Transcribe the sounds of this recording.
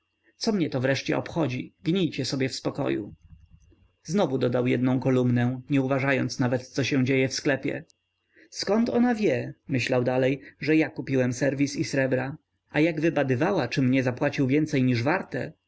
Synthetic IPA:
t̪sɔmɲɛt̪ɔvɾɛʂt͡ɕɛ̰ɔ̰pxɔd͡ʑiɡɲijt͡ɕɛsɔbʲjɛfspɔkɔ̰jṵ | znɔvud̪ɔd̪awjɛd̪̚nɔ̃w̃kɔlumnɛɲɛuvaʐajɔnt̪snavɛt̪t̪sɔɕɛ̃d͡ʑejɛfsklɛpʲjɛ̰ | skɔnt̪ɔnavʲjɛmɘɕlawd̪alɛjʐɛjakupʲiwɛmsɛɾvʲisisɾɛbɾa | ajaɡvɘbad̪ɘvawat͡ʂɘmɲɛzapwat͡ɕiwvʲjɛnt̪sɛjɲiʐvaɾt̪ɛ̰

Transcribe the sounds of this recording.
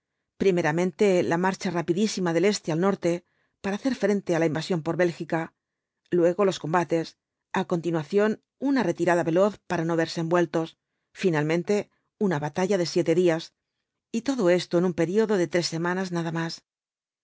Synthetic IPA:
pɾime̞ɾamẽ̞nt̪e̞lamaɾt͡ʃarapiðisimaðe̞le̞st̪ealnoɾt̪e̞ | paɾaːθe̞ɾfɾe̞nt̪e̞alaimbasjo̞mpo̞ɾβe̞lxika | lwe̞ɣo̞lo̞sko̞mbat̪e̞s | ako̞nt̪inwaθjo̞n | unare̞t̪iɾaðaβe̞lo̞θpaɾano̞β̞e̞ɾse̞ːmbwe̞lt̪o̞s | finalmẽnt̪e̞ | unaβat̪aʎaðe̞sje̞t̪e̞ðias | it̪o̞ðo̞e̞st̪oenumpe̞ɾio̞ðo̞ðe̞t̪ɾe̞sːe̞mãnaznaðamas

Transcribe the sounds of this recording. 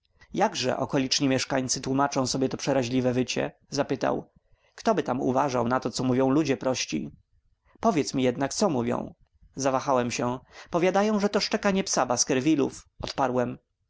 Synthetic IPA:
jaɡʐɛ̰ʔɔ̰kɔlʲit͡ʂɲimʲjɛʂkaɲt̪sɘt̪wumat͡ʂɔ̃w̃sɔbʲjɛt̪ɔpʂɛɾaʑlʲivɛvɘt͡ɕɛ̰ | zapɘt̪a̰w | kt̪ɔbɘt̪amṵvaʐawnat̪ɔt̪sɔmuvʲjɔ̃w̃lud͡ʑɛpɾɔɕt͡ɕḭ | pɔvʲjɛt̪smʲijɛd̪nak̚t̪sɔmuvʲjɔ̰̃w̃ | zavaxawɛmɕɛpɔvʲjad̪ajɔ̃w̃ʐɛt̪ɔʂt͡ʂɛkaɲɛpsabaskɛɾvʲilṵfɔt̪paɾwɛm

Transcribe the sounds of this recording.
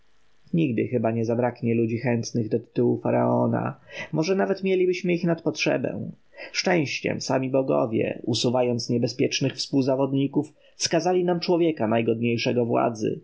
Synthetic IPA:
ɲiɡd̪ɘxɘbaɲɛzabɾakɲɛlud͡ʑixɛnt̪nɘɣd̪ɔt̪ɘ̥t̪uwufaɾa̰ɔna̰mɔʐɛnavɛt̪mʲjelʲibɘɕmɘixnat̪̚pɔtʂɛ̰bɛ̰̃ | ʂt͡ʂɛ̃w̃ɕt͡ɕɛ̰msamʲibɔɡɔ̰vʲjɛ̰usuvajɔnt̪sɲɛbɛspʲjɛt͡ʂnɘxfspuwzavɔd̪ɲikuf | fskazalʲinamt͡ʂwɔvʲjɛkanajɡɔd̪̚ɲejʂɛɡɔvwa̰d̪zɘ̰

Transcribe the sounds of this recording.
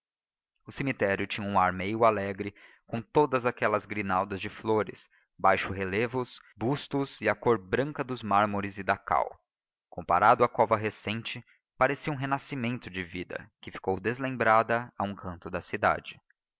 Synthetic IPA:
ʊsimit̪ɛɾjʊt͡ʃĩɲɐũaɾmejʊalɛɡɾɪ | kõt̪od̪ɐzakɛlɐzɡɾinawd̪ɐzd͡ʒɪfloɾɪ̰s | bajʃʊɦelevʊs | bust̪ʊziɐkoɾbɾɐ̃kɐd̪ʊzmaɾmoɾɪzɪd̪aka̰w | kõpaɾad̪ʊakɔvɐɦesẽt͡ʃɪ | paɾesiũɦenasimẽnt̪ʊd͡ʒɪvid̪ɐ̰kɪfi̥kowd̪ezlẽmbɾad̪ɐaũkʰɐ̃nt̪ʊd̪ɐsid̪a̰d͡ʒɪ

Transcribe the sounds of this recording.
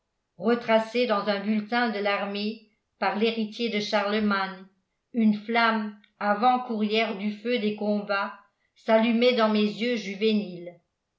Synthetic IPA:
ʁət̪χased̪ɑ̃zœ̃bylt̪ɛ̃d̪əlaʁme | paʁleʁit̪jed̪əʃaʁləman | ynflam | avɑ̃kuʁjɛʁd̪yfød̪ekɔ̃ba | salymɛd̪ɑ̃mezjøʒyvenil

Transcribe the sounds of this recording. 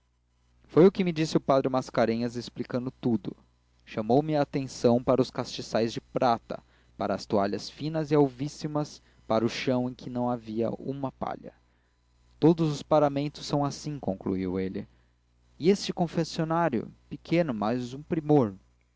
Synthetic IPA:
fojʊkɪmɪd͡ʒisɪʊpad̪ɾɪmaskaɾẽɲɐzesplikɐ̃nd̪ʊt̪ud̪ʊ̰ | ʃɐmowmɪaːt̪ẽsɐ̃w̃paɾɐʊskast͡ʃisajzd͡ʒɪpɾat̪ɐ̰ | paɾɐːst̪uaʎɐsfĩnɐzɪawvisimɐs | paɾɐʊʃɐ̃w̃ẽj̃kʰɪnɐ̃w̃aviɐ̰ũmɐpa̰ʎɐ̰ | t̪od̪ʊzʊspaɾamẽnt̪ʊ̥sːɐ̃w̃asĩkõŋklṵiwelɪ | ɪest͡ʃɪkõfesionaɾjʊ̰pɪkʰẽnʊmazũpɾimoɾ

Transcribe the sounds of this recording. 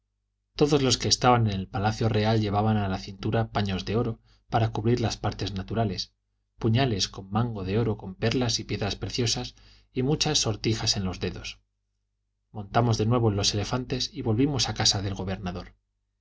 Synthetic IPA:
t̪o̞ðo̞zlo̞ske̞ːst̪aβane̞ne̞lpalaθjo̞re̞alʎe̞β̞aβanalaθint̪uɾapaɲo̞zðe̞o̞ɾo | paɾakuβɾiɾlaspaɾt̪e̞znat̪uɾale̞s | puɲale̞sko̞mːãŋɡo̞ðe̞o̞ɾo̞ko̞mpe̞ɾlasipje̞ðɾaspɾe̞θjosas | imut͡ʃasːo̞ɾt̪ixase̞nlo̞zðe̞ðo̞s | mõ̞nt̪amo̞zðe̞nwe̞β̞o̞lo̞se̞le̞fant̪e̞siβo̞lβimo̞sakasaðe̞lɣo̞βe̞ɾnaðo̞ɾ

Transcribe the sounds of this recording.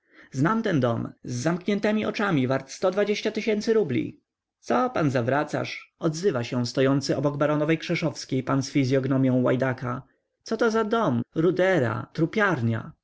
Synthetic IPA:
znamt̪ɛnd̪ɔmzːamkɲɛnt̪ɛmʲiʔɔ̰t͡ʂamʲivaɾt̪st̪ɔd̪vad͡ʑeɕt͡ɕat̪ɘɕɛnt̪sɘɾublʲḭ | t̪sɔpanzavɾat̪sa̰ʂɔd̪zɘvaɕɛw̃st̪ɔjɔnt̪sɘʔɔbɔɡbaɾɔnɔvɛjkʂɛʂɔfskʲejpansfʲizʲjɔɡnɔmʲjɔ̃w̃wa̰jd̪aka | t̪sɔt̪ɔzad̪ɔmɾud̪ɛɾa̰t̪ɾupʲjaɾɲa̰

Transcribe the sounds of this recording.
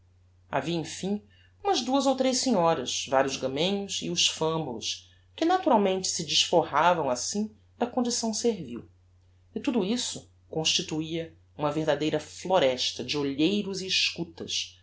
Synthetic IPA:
a̰viɐẽfĩ | ũmɐzd̪uɐzowt̪ɾejʃsiɲɔɾɐʃvaɾiʊzɡɐ̃mẽɲʊsɪʊʃfɐ̃mblʊ̰ʃ | kɪnat̪uɾawmẽnt͡ʃɪ̥sɪd͡ʒiʃfohavɐ̃w̃asĩ | d̪ɐkõnd͡ʒisɐ̃w̃seɾvḭw | ɪt̪ud̪ʊisʊ | kõʃt͡ʃit̪uiɐ | ũmɐveɦd̪ad̪ejɾɐfloɾɛʃt̪ɐd͡ʒɪoʎejɾʊziːʃkut̪ɐ̰s

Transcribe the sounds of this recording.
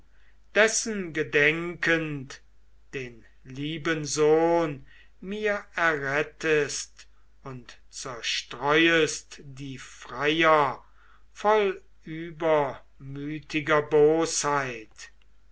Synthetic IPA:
d̥ɛsənɡədɛŋkənt | d̥eːn | liːbənzoːn | miːɐɛɐʁɛtʰəst | ʊnt | t͡sɛɐʃtʁɔʏəstdiːfʁ̥ajɐ | fɔl | ʔyːbɐ | myːtʰɪɡɐboːshaɪt

